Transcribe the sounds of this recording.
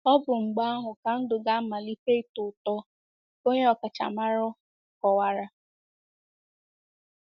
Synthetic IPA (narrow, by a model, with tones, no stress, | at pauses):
ɔ˦bʊ˨ŋ͡m̩˨ɡ͡ba˦a˦ɦʊ˨ka˨n̩˦dʊ˨ɡa˦ma˨li˦pe˦˨tʊ˨tɔ˦ | o˦ɲe˦ɔ˨ka˨t͡ʃa̰˨ma˦ɾʊ˦˨ | kɔ˨wa˨ɾa˦